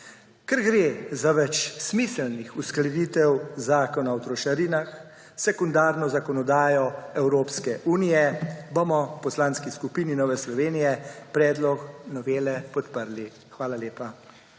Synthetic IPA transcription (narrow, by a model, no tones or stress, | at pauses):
kɛɾɡɾeːzaʋɛt͡ʃsmisɛlnixusklɛd̪iːt̪ɛwzaːkɔnawt̪ɾɔʃaɾiːnax | sɛkund̪aːɾnɔzakɔnɔd̪aːjɔɛwɾoːpskɛʔuːnijɛbomɔwpɔslaːnskiskupiːninɔːʋɛslɔʋeːnijɛpɾɛːd̪lɔknɔʋeːlɛpɔt̪pəɾli | xʋaːlaleːpa